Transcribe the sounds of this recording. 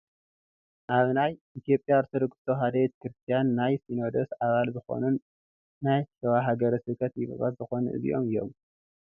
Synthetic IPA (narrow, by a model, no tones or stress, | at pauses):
ʔaβnajʔit̪ʰijo̞pʼjaɾt̪ʰod̪oɡɨ̥t̪ʰo̞ɦad̪ɐβet̪̚kɨɾɨst̪ʰijanːajsino̞d̪osʔaβalzɨxo̞̰nunː | ajʃʰɐwaɦaɡɐɾɐsɨkʰɐt̪jiβɨ̰βa̰t̪zɨxo̞nuʔɨ̰zḭjʔomɨjo̞̰m